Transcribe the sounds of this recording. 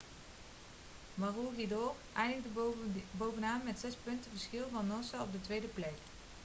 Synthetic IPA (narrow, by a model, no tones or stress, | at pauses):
maruɦidɔrʔɛjndəxdəbowvənaːmmɛtsɛspɵntəvəskɪlˠvɑnːɔnsaɔb̚dətʋejdəplɛk